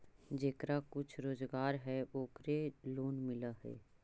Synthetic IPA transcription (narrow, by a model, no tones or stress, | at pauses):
d͡ʒeːkɾakʊt͡ʃʰɾoːzɡaːɾɦɛoːkɾeloːnmɪlaɦɛ̰ː